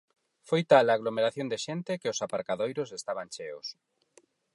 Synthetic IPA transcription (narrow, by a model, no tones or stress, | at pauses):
fojt̪alaːɣlomeɾaθjond̪eʃent̪ɪkeʊsapaɾkaðojɾʊsest̪aβant͡ʃeʊ̰s